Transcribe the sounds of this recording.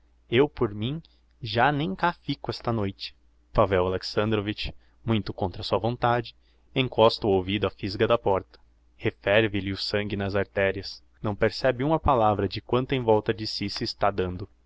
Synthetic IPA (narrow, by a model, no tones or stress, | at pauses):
ewpoɾmĩ | ʒanẽj̃kafikʊɛst̪ɐnojt͡ʃɪ̥ | pavɛwaleksɐ̃nd̪ɾovit͡ʃ | mũj̃t̪ʊkõnt̪ɾɐsuɐvõnt̪ad͡ʒɪ̥ | ẽŋkɔst̪ʊowvid̪ʊɐfizɡɐd̪ɐpɔɾt̪ɐ̥ | hefɛɾvɪlɪʊsɐ̃ŋɡɪnɐzaɾt̪ɛɾiɐs | nɐ̃w̃peɾsɛbɪũmɐpalavɾɐd͡ʒɪkwɐ̃nt̪ʊẽvɔwt̪ɐd͡ʒɪsisɪːst̪ad̪ɐ̃nd̪ʊ